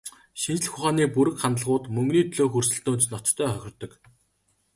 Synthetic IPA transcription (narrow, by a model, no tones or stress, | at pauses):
ʃint͡ɕ̆ɮxʊχaːniːpuɾɘ̆kχant̪əɮʁʊːt̪mɵŋɡniːt̪ʰɵɮoːxursɘ̆ɬt̪oːnt͡ɕnɔt̪t̪ʰːœːχœxʲɪ̆r̥t̪ːɞ̆k